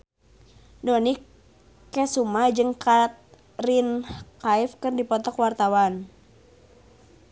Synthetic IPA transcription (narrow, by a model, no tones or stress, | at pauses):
dɔnikː | ɛsumad͡ʒɨŋkat̪̚ | rinkaifkɨrdipɔt̪ɔkwart̪awan